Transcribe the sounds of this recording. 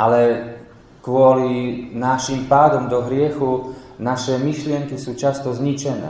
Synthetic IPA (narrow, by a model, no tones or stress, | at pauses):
ʔalɛ | kʋʊɔlinaʃimpaːd̪ɔmd̪ɔɦɾɪɛxunaʃɛmiʃlɪɛŋkisuːt͡ʃast̪ɔzɲit͡ʃɛnɛ̰ː